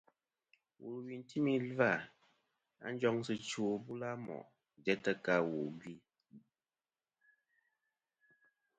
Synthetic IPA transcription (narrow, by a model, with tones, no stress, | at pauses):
wʔu˨lwi˨n˦ti˦mi˦lva˦˨ | a̰˦n̩˦d͡ʒɔ˦ŋsɨ˨t͡ʃu˨bu˦la˦mɔ̰˨ʔ | dɛ˦tə˦ka˦˨wu˨ɡi˦˨